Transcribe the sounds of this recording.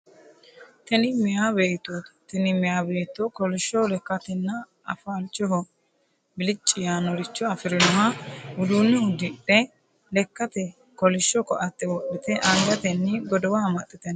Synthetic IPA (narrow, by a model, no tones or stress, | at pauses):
t̪ɛnɪmɪjabe̞ːt̪ːoːt̪ɐ̥t̪ɛnɪmɪjaːbeːt̪ːokɔlɪʃːɔlɛkːɐt̪ɛnːɐ | ɐfaːlt͡ʃʼːɔɦɔ | bɪlɪt͡ʃʼːɪjaːnɔɾɪt͡ʃːɔɐfɪɾɪnɔɦɐʊd̪uːnːɪʊd̪ːɪᶑɛ | lɛkːɐt̪ɛ | kɔlɪʃːɔkɔʔɐt̪ːɛwɔɗɪt̪ɛʔɐŋɡɐt̪ɛnːɪɡɔd̪ɔwamɐt̪ʼːɪt̪ɛn